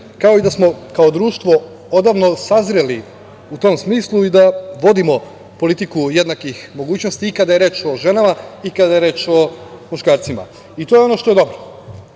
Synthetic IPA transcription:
kao̞id̪asmo̞kao̞d̪ɾuːʃt̪ʋo̞ | od̪aːʋno̞sazɾeli | ut̪o̞msmiːslˠuid̪aʋo̞d̪imo̞ | po̞lit̪ikuje̞d̪nakixmo̞ɡuːt͡ɕno̞st̪iːkad̪ajeɾe̞t͡ʃo̞ʒe̞namaikad̪ajeɾe̞t͡ʃo̞muʃkaːɾt̪sima̰ | it̪o̞jeo̞no̞ʃt̪o̞jed̪o̞bɾo

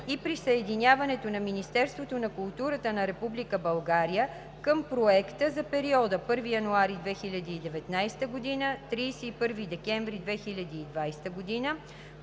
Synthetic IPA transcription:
ipɾisəɛd̪inʲjavɐnɛt̪onɐminist̪ɛɾst̪vot̪onɐkulˠt̪uɾət̪ənɐɾɛpublikəbɐlˠɡaɾijə | kəmpɾoɛkt̪əzɐpɛɾiɔd̪əpɤɾvijɐnuaɾid̪vɛxilʲɐd̪iːd̪ɛvɛt̪najst̪əɡod̪inət̪ɾiːsɛipɤɾvid̪ɛkɛɱvɾid̪vɛxilʲɐd̪iːd̪vajst̪əɡod̪inə

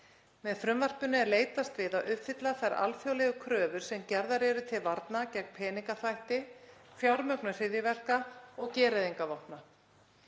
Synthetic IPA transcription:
mɛðfɾʏmvar̥pʏnːɪɛɾleːjt̪ast̪vɪðaʔʏpfɪt̪laθɛɾʔa̰lfjowlɛɣʏkʰɾœːvʏɾ̥sɛmcɛɾðaɾɛɾʏt̪ʰɪlvaɾt̪nacɛk̚pʰɛːniŋkaθvajht̪ɪfjawɾmœknʏsɪðjɪvɛr̥kaɔɣcɛːɾaðiŋkavɔhpna

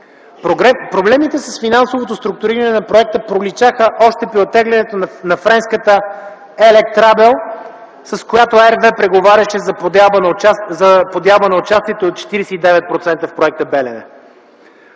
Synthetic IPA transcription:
ɛpɾoblɛmit̪ɛsəsfinansovot̪ost̪ɾʊk̚t̪ʊɾiɾənɛnɐpɾoɛk̚t̪əpɾolit͡ʃaxəʔɔʃt̪ɛpiot̪ɛɡlɛnɛt̪onnɐfɾɛnskət̪ə | ɛlɛkt̪ɾabɛlˠ | sɐskojat̪oɛɾvɛpɾɛɡovaɾʲɐʃɛzɐbənzɐpod̪jalˠbənɐot͡ʃast̪iɛt̪oːt̪̚t͡ʃɛ̥t̪iɾɛsɛid̪ɛvɛt̪̚pɾot̪sɛnt̪əfpɾoɛk̚t̪əbɛlɛnɛ̰

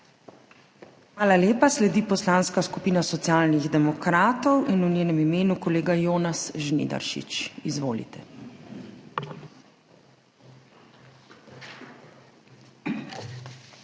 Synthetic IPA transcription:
xʋaːlaleːpaslɛd̪iːpɔslaːnskaskupiːnasɔt̪sjaːlniɣd̪ɛmɔkɾaːt̪ɔwinunjeːnɛmimeːnukɔleːɡajoːnasʒnḭd̪a̰ɾʃḭt͡ʃizʋoːlḭt̪ɛ

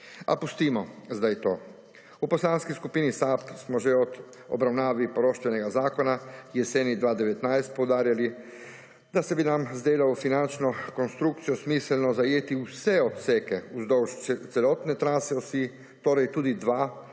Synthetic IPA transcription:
a̰pust̪imozd̪ajt̪o̰ː | uposlˠaːnskiskupinisapsmoʒɛod̪ | o̰bɾawnaːʋipoɾoʃt̪ʋeneɡazaːkonajeseːnid̪ʋaːd̪eʋet̪najst̪̚powd̪aːɾjali | d̪asebinamzd̪eːlaofinant͡ʃnokonst̪ɾukt̪sijosmislnozajeːt̪iuseot̪sekeuzd̪owʃt̪selot̪nɛt̪ɾaːsɛɔsi | t̪oɾajt̪uːd̪id̪ʋaː

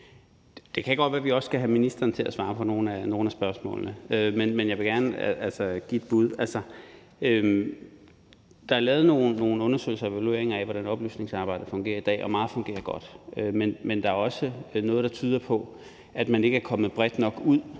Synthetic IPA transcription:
d̥e̝kʰæɡ̥ɒd̥ʋæːɐʋiɒ̽sɡ̥æɦæminisd̥ɐːnt͡sʰe̝lʔæsʋɑ̈ːpʰɒ̽no̝ːn̩æno̝ːn̩æsb̥ɶɐsmɔ̰̽ːlnəømenmenjɑ̈ɪʋe̝ɡ̥æɐnəælsɐɡ̥ḭe̝d̥̚b̥uð̞ˠælsɐ | øm | d̥ɑ̈æɐlɛːð̞̩ˠno̝ːn̩ːo̝ːn̩ɔ̽nɐsø̰ɪlsɐe̝ʋælue̝̰ɐeŋɐæʋɒɾ̥ænɒ̽b̥ly̰ːsne̝ŋsɑ̈ːb̥ɑ̈ɪ̰d̥əfɔ̽ŋɡ̥e̝̰ːɐid̥ɛ̰ːɒ̽mɑ̈ːð̩ˠfɔ̽ŋɡe̝̰ːɐɡ̥ɒ̽d̥ømenmend̥ɑ̈æɐɒ̽sənɔ̽ːð̞̩ˠd̥ɑ̈t͡sʰyːð̞ˠɐpʰɒ̽ | ʔæd̥mæne̝ɡ̥əæɐkʰɒ̽məð̩ˠb̥ʁɛd̥nɒ̽ɡ̥uð̞̰ˠ

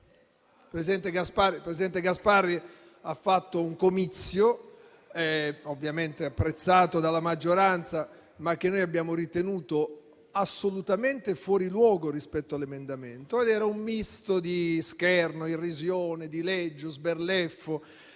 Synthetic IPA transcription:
pɾesid̪ɛnt̪eɡasparipɾesid̪ɛnt̪eɡasparːi | afːat̪ːouŋkomit̪sːjo | ɛovːjament̪eapːɾet̪sːaːt̪od̪alamad͡ʒːoɾant̪sa | mak̟ːenːoːjabːjaːmoɾit̪enuːt̪o | asːolut̪ament̪efwɔːɾilwɔːɡoɾispɛt̪ːoalemend̪ament̪oed̪ɛːɾaumːist̪od̪iskɛrnoirːizjoːned̪ilɛd͡ʒːozberlɛfːo

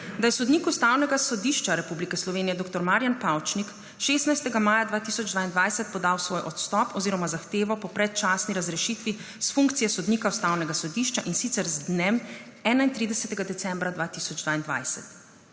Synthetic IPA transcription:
d̪ajɛsɔd̪niːkust̪aːwnɛɡasɔd̪iʃt͡ʃaɾɛpublikɛslɔʋeːnijɛd̪oːk̚t̪ɔɾmaːɾjanpawt͡ʃnik | ʃeːst̪najst̪ɛɡamaːjad̪ʋaːt̪isɔd͡ʒd̪ʋaːind̪ʋajsɛt̪̚pɔd̪awsʋojʔɔt̪st̪ɔpɔziɾɔmazaxt̪eːʋɔpɔpɾɛt̪̚t͡ʃaːsniɾazɾɛʃit̪ʋi | sfuŋk̚t̪sijɛsɔd̪niːkaust̪awnɛɡasɔd̪iːʃt͡ʃaʔinsit̪sɛɾzd̪nem | ɛːnaint̪ɾid̪ɛsɛt̪ɛɡad̪ɛt̪sɛ̃mbɾad̪ʋaːt̪isɔd͡ʒd̪vaːind̪ʋa̰jsɛt̪

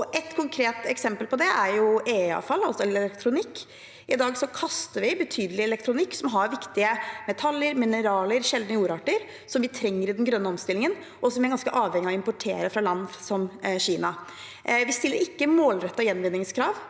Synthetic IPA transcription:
ɔʔɛt̪kʰʊŋkʰɾeːt̪ɛksɛmpəlpɔd̪ɛæɾjʊeːɑ̰fɑlːɑlsɔɛllɛlɛkt̪ʰɾʊnɪkː | ɪd̪ɑːɡsɔkʰɑst̪əɾʋɪbət̪ʰyːd̪əlɪɛlɛk̚t̪ʰɾʊnɪkːsɔmɦɑɾʋɪkt̪ɪəmɛt̪ʰɑlːjəɾmɪnəɾɑːləɾʂɛld̪nəjuːɾɑʈəɾ | sɔmʋɪt̪ʰɾɛŋːəɾɪd̪ɛnɡɾœnːəɔmst̪ɪlːɪŋən | ʔɔsɔmʋɪæɾɡɑnskəʔɑːʋhɛŋːɪɑɪmpʊʈʰḛːɾəfɾɑlɑnːsɔmɕiːnɑ | ʋɪst̪ɪlːəɾɪkːəmoːlɾɛt̪ːɑjɛnːʋɪnːɪŋskʰɾɑːʋ

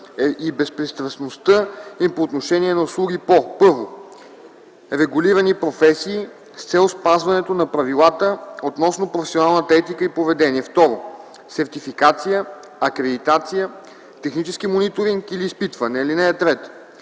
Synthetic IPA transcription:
ɛibɛspɾist̪ɾəsnost̪əimpoːt̪noʃɛniɛnɐuslˠuɡ̟ipopɤɾvo | ɾɛɡʊliɾɐnipɾofɛsiː | st̪sɛlˠspazvɐnɛt̪onɐpɾɐvilˠat̪əot̪nɔsnopɾofɛ̥sionalˠnət̪ɐɛt̪ikəipovɛd̪ɛniɛft̪ɔɾo | sɛɾt̪ifikat̪sijə | ɐkɾɛd̪it̪at̪sijə | t̪ɛxnit͡ʃɛsk̟imonit̪oɾiŋkiliːspit̪vənɛilinɛɛt̪ɾɛt̪

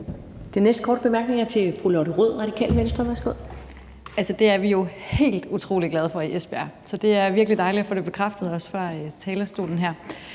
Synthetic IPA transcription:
d̥e̝nesd̥̚kʰɒ̰ːd̥̚b̥e̝mæɐɡ̥ne̝ŋæɐt͡sʰe̝fʁulɒɾ̥əʁoð̰ˠʁɑ̈ɾ̥ikʰɛ̰ːlmensd̥ʁɐʋæɐsɡ̥o̝ð̰ˠ | ælsəd̥e̝æɐʋijo̝he̝̰ːld̥ut͡sʰʁo̝̰ːliɡ̥lɛð̞ˠfɒ̽iʔesb̥e̝æ̰sɒ̽d̥e̝æɐʋiɐɡ̥lid̥ɑ̈ɪliɒfo̰ːdeb̥e̝kʰʁɑfd̥əð̞̩ˠɒ̽sfɑ̈t͡sʰɛːlɐsd̥o̝̰ːln̩ɦæɐ̰

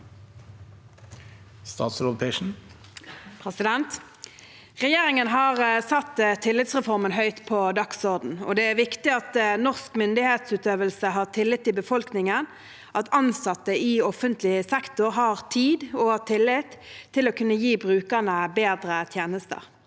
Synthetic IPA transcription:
st̪ɑ̰ːt̪sɾopʰɛʃn̩ | pʰɾɛsɪd̪ɛnt̪ | ʁɛjeːʁɪŋənɦɑːʁsɑt̪ːt̪ʰɪlːɪt̪sʁɛfɔʁmənɦœʏt̪pʰɔd̪ɑksɔʁd̪n̩ɔ̰d̪ɛæʋɪkt̪ɪɑt̪nɔʁskmʏnd̪ɪheːt̪sʉːt̪øːʋəlsəɦɑːʁt̪ʰɪlːɪt̪ːɪbəfɔlknɪŋən | ʔɑt̪ɑnsɑt̪ːəɪɔfənt̪lɪsɛkt̪ʊʁɦɑːʁt̪ʰiːd̪ɔt̪ʰɪlːɪt̪ʰːɪloːkʰʉnːəjiːbʁʉːkəʁnəbeːd̪ʁət̪ʰjeːnəst̪ə̰ʁ

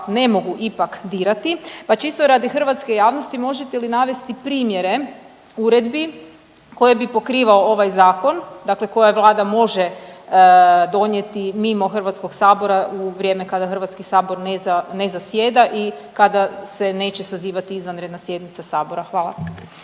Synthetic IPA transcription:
ne̞mo̞ɡuʔipakd̪iːɾat̪ipat͡ʃist̪oɾad̪ixr̩ʋat̪skejaːʋnost̪imo̞ʒet̪elinaʋe̞st̪ipɾiːmje̞ɾe̞ | uɾe̞d̪bi | ko̞je̞bipo̞kɾiːʋaoo̞ʋajzaːko̞nd̪akle̞ko̞jaʋlˠaːd̪amo̞ʒe | d̪o̞nje̞t̪imimo̞xr̩ʋat̪sko̞ɡsaːbo̞ɾauʋɾje̞ːme̞kad̪axr̩ʋat̪skisaːbo̞ɾnezanezasje̞ːd̪aʔi | kad̪ase̞ne̞ːt͡ɕesaziːʋat̪iizʋanɾed̪nasje̞d̪nit̪sasaːbo̞ɾaxʋaːlˠa̰

